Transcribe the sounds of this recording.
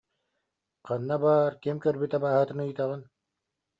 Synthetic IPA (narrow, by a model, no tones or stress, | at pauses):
qɑnːabaːɾkimkœɾbyt̪ɛbaːɦɯt̪ɯnɯ̆jt̪aʁɯn